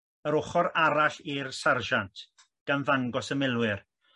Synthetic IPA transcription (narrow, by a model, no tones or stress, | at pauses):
əɾʊχɔɾaɾaɬirsarʒantʰ | ɡ̥anðaŋɡɔsəmɪlˠwɪr